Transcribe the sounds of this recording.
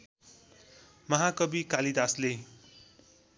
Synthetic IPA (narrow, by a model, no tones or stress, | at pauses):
mʌɦakʌbikalid̪asle